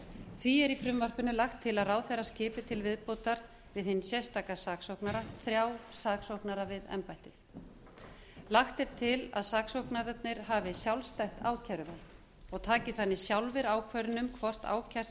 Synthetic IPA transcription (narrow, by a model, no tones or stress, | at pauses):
θviɛɾifɾʏmvar̥kʏnʏlaxt̪ʰːɪlaðraːwθɛɾascɪːpɪt̪ʰɪlvɪðpoːwt̪aɾ | vɪðhɪnsjɛst̪aːkasaːksowhknaɾaθɾjawsaːksowhknaɾavɪðɛ̰mpajht̪ɪθ | laxt̪ɛɾ̥t̪ʰɪla̰ðsaːksowhknaɾɛt̪̚nɪɾ̥ɦavɪsjawlst̪ajht̪a̰ːwcʰaɾʏvalt̪ | ɔɣt̪ʰaːcɪθanːɪsjawlvɪɾawkʰvœɾɪnʏmkʰvɔr̥t̪a̰ːwcʰar̥